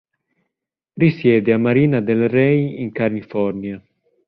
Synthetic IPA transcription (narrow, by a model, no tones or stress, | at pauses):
risjɛːd̪eamːaɾiːnad̪elrɛjiŋkaɾlifɔrnja